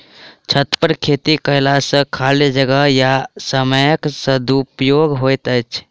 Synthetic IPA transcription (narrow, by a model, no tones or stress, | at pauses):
t͡ʃʰət̪pəɾkʰet̪ikəɪlasə̃kʰalid͡ʒəɡəɦjasəməjəksəd̪upjoɡɦojt̪əjt͡ʃʰ